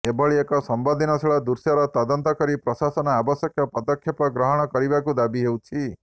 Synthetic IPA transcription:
ebɔɭiekɔsɔmbɔd̪ʱinɔsʰeɭad̪uɾsjaɾɔt̪ɔd̪ɔnt̪ɔkɔɾipɾɔsasɔnɔabɔsjɔkʰjɔpɔd̪ɔkʰjepɔɡɾɔɦɔɽ̃ɔkɔɾibakud̪abiɦewt͡ʃʰi

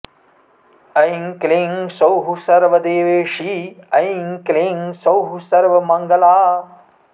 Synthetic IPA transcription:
ɐjŋkleŋsɐwɦusɐɾʋɐd̪eːʋeːʂiːɐjŋkleːŋsɐwɦusɐɾʋɐmɐŋɡɐlaː

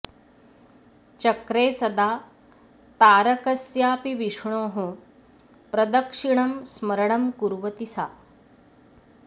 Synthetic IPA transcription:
t͡ʃɐkɾeːsɐd̪aː | t̪aːɾɐkɐsjaːpiʋiʂɳoːɦu | pɾɐd̪ɐkʂiɳɐmsmɐɾɐɳɐmkuɾʋɐt̪isaː

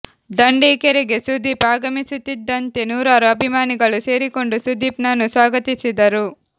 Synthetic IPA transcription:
d̪ɐɳɖeːkeɾeɡe̞sud̪ʱiːpaːɡɐmisut̪ːid̪ːɐnt̪e̞nuːɾaːɾuɐbʱimaːniɡɐɭuse̞ːɾiko̞ɳɖusud̪ʱiːpnɐnːusʋaːɡɐt̪isid̪ɐɾu

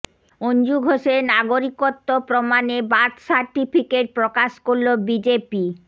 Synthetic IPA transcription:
ond͡ʑuɡʱoʃeɾnaɡoɾikot̪ːopɾomanebat̪saɾʈipʰikeʈ̚pɾokaʃkoɾlobid͡ʑepi

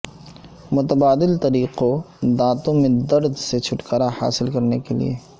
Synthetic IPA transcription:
mʊt̪əbaːd̪ɪlt̪ɐɾiːqo | d̪ãːt̪õmẽd̪ɐɾd̪set͡ʃʰʊʈkaːɾaha̰ːsɪlkɐɾnekelḭḛː

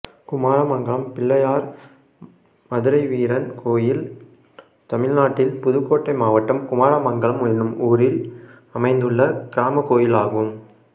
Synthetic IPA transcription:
kʊmaːɾɐmɐŋɡɐɭɐmpɪɭːɐjaːɾ | mɐðɯɾɐɪʋiːɾɐnkʰoːjɪl | t̪ɐmɪɻnaːʈːɪlpʊðɯkːoːʈːɐɪmaːʋɐʈːɐmkʊmaːɾɐmɐŋɡɐɭɐmʊɪnɯmuːɾɪl | ɐmɐɪnd̪ɯɭːɐkɪɾaːmɐkoːjɪlaːɣɯm

